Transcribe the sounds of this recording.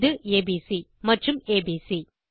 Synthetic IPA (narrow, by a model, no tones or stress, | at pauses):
ðɯeːbisimɐʈrɯmeːbiːsi